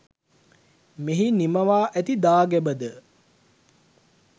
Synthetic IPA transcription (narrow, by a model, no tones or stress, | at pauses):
miɦiniməʋaːʔæt̪id̪aːɡæbəd̪ə